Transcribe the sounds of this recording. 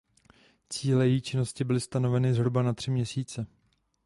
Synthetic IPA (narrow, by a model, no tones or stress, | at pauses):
t͡siːlɛjɛjiːt͡ʃɪno̞scɪbɪlɪst̪ano̞vɛnɪzɦɾubanat̪r̝̥ɪmɲɛsiːt͡sɛ